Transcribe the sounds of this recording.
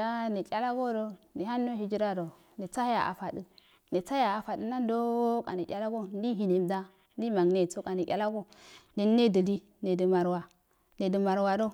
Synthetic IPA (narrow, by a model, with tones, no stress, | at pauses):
a˦ne˨kʲa˦la˦ɡo˦ɾo˦ndi˨a˦nːo˦hi˦d͡ʒi˦ɾa˦ɾo˨ | ne˨t͡sa˦a˨ʔa̰˨fa˨di˦ | ne˨t͡sa˦a˨a˨fa˨də˦na˦n˦do˦ka̰˨ne˨kʲa˦la˦ɡo˦n˦di˦ɦi˨ne˨mda˦ | n˦di˦ma˨ŋne˦˨t͡so˦ka˨ne˨kʲa̰˦la˦ɡo˦de˨˦e˦də˨li˦ | ne˨də˨ma˨ɾwa˨ | ne˨də˨ma˨ɾwa˨do˦